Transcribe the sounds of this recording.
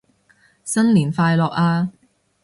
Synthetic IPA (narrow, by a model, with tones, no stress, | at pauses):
sɐ˥nliː˨˩nfaː˧jlɔː˨k̚aː˧